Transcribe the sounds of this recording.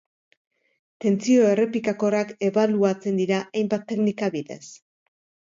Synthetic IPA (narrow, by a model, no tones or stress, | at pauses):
t̪e̞nt͡sio̞e̞re̞pikako̞rake̞βaluat͡se̞nd̪iɾaʔajmbat̪ːe̞knikaβiðe̞̰s